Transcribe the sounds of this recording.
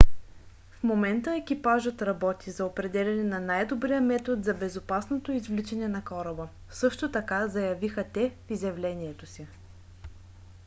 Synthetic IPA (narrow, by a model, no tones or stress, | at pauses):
fmomɛnt̪əɛk̟ipaʒət̪ɾɐbɔt̪izɐopɾɛd̪ɛlʲɛnɛnɐnajd̪obɾijəmɛt̪ot̪zɐbɛzopasnot̪oizvlit͡ʃɛnɛnɐkɔɾɐbə | sɤʃt̪ot̪ɐkazɐjɐvixət̪ɛfizjɐvlɛniɛt̪osi